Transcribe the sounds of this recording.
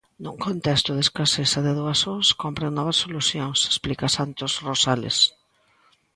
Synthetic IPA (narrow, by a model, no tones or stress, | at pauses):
nuŋkont̪ɛst̪ʊðeskasesɐðeðuasoŋskompɾeŋnɔβɐsːoluθjõŋse̥splikasant̪osrosalḛs